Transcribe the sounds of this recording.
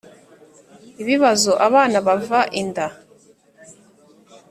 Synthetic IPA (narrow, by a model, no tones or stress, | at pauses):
iβiβazoʔaβaːnaβavaʔinda